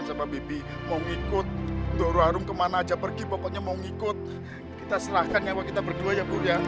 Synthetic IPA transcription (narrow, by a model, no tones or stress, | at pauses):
nsababebi | mauŋikʊt̪̚doɾuaɾʊŋkəmanaːd͡ʒapərɡipapaʔɲamauŋikʊt̪̚ | kit̪asəɾahkankawakit̪abərduajaburja